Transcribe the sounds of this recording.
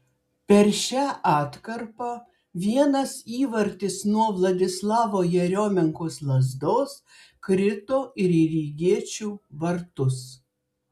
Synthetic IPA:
pʲɛɾʃʲæːʔɑːt̪kɐɾpɐ | ʋʲiɛnɐsiːʋɐɾʲt̪ʲɪsnuɔʋlˠɐd̪ʲɪslˠɑːʋoːjɛɾʲoːmʲɪŋkoːslˠɐzd̪oːs | kɾʲɪt̪oːʔɪɾiɾʲiːɡʲiɛt͡ʃʲuːʋɐɾt̪ʊs

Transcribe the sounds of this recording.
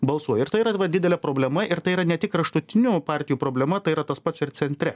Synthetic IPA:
bɐlˠsuɔjɪɾt̪ɐɪiːɾɐʋɐd̪ʲɪd̪ʲɛlʲɛpɾoːbʲlʲɛmɐʔɪɾt̪ɐɪiːɾɐnʲɛt̪ʲɪkɾɐʃt̪ʊt̪ʲɪnʲupɑːɾʲt̪ʲɪjuːpɾoːbʲlʲɛmɐt̪ɐɪiːɾɐt̪ɐspɐt̪sɪɾt̪sʲɛnʲt̪ʲɾʲɛ

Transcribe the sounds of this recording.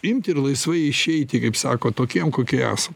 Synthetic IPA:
ɪmʲt̪ʲɪɾlˠɐɪsʋɐɪɪʃʲɛɪt̪ʲɪkɐɪpsɑ̰ːkoːt̪oːkʲiɛmkoːkʲiɛæ̰ːsɐm

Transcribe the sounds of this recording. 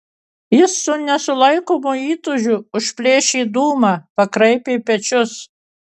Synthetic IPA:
jɪsːʊnʲɛsʊlˠɐɪkoːmuiːt̪ʊʒʲʊʊʃʲpʲlʲeːʃʲiːd̪uːmɑːpɐkɾɐɪpʲeːpʲɛt͡ʃʲʊs

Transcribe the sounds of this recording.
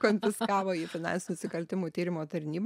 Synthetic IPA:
konʲfʲɪskɑːʋoːiːfʲɪnɑ̰nsʲɪnʲʊnʊsʲɪkɐlʲt̪ʲɪmuːt̪ʲiːɾʲɪmoːt̪ɐɾʲnʲiːb

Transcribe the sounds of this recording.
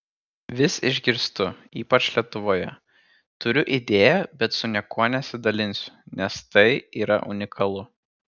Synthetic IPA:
ʋʲɪsɪʒʲɡʲɪɾst̪ʊiːpɐt͡ʃʲlʲiɛt̪ʊʋoːjɛ | t̪ʊɾʲʊʔid̪ʲeːjɛbʲɛt̪sʊnʲɛkoːnʲɛsʲɪd̪ɐlʲɪnʲsʲʊ̥nʲɛst̪ɐɪiːɾɐ̰ʔʊ̰nʲɪkʰɐlˠʊ

